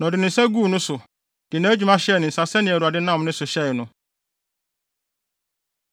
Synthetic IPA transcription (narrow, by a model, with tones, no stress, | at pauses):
nɔ̃˨dɪ˨nɪ̃˨n̩˨sɛ˦ɡuː˦˨nʊ̃˦sʊ˨ | d̥ɪ˨nã˦d͡ʑᶣu˨mã˦ɕɛ˦˨nɪ̃˨n̩˨sa˨sɛ˦nɪ̃˨ɛ˨ɾu˨a˨dɪ˦nã˦˨m˦nɪ̃˦sʊ˨ɕɛ˦ɪ˨nʊ̃˦